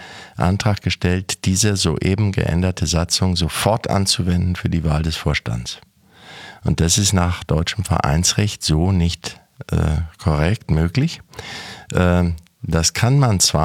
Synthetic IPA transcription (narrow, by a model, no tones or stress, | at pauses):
ʔa̰ntʁ̥aːk̚ɡ̥əʃtɛltd̥iːzəzoːʔeːbm̩ɡə̰ʔɛ̰ndɐtʰəzat͡sʊŋzofɔɐtʔa̰nt͡suvɛndn̩fyːɐdiːvaːldɛsfoːɐʃta̰nt͡s | ʔʊnt̚d̥asɪstnaːχd̥ɔʏt͡ʃəmfɛɐʔa̰ɪnsʁɛçtz̥oːnɪçt | ʔɛ̰ːkʰɔʁɛk̚tmøːklɪç | ʔ | d̥askʰanmant͡sv̥a